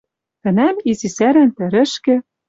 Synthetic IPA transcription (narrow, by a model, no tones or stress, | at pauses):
t̪ɘ̆næmizisæɾænt̪ɘ̆ɾɘ̆ʃkɘ̆